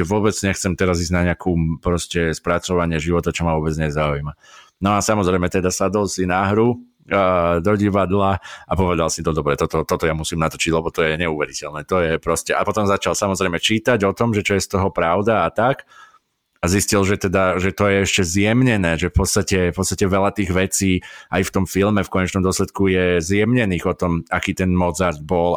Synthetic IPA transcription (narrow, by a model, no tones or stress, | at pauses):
ɛʋʊɔbɛd͡zɲɛxt͡sɛmt̪ɛɾaziːzɟnaɲɛakʰuːpɾɔscɛspɾat͡sɔʋaɲɪɛʒiʋɔt̪at͡ʃɔmaʋʊɔbɛd͡zɲɛzaujma | nɔasamɔzɾɛjmɛt̪ɛd̪asad̪ɔlsinaɦɾu | d̪ɔɟiʋad̪laapɔʋɛd̪alsit̪ɔd̪ɔbɾɛt̪ɔt̪ɔt̪ɔt̪ɔjamusiːmnat̪ɔ̥t͡ʃiɟlɛbɔt̪ɔjɛɲɛuʋɛɾicɛlnɛːt̪ɔjɛpɾɔscɛʔapɔt̪ɔmzat͡ʃalˠsamɔzɾɛjmɛt͡ʃiːt̪aɟɔt̪ɔmʒɛt͡ʃɔjɛst̪ɔɦɔpɾaʊd̪aːt̪ak | aziscilʒɛt̪ɛd̪aʒɛt̪ɔjɛɛʃcɛzjɛmɲɛnɛːʒɛfpɔt̪st̪acɛfpɔtt͡sst̪acɛʋɛlat̪iːɣʋɛt͡siːʔajft̪ɔmfilmɛfkɔɲɛt͡ʃnɔmd̪ɔslɛt̪kujɛzjɛmɲɛniːɣɔt̪ɔmakiːt̪ɛnmɔzaɾd̪̚bɔl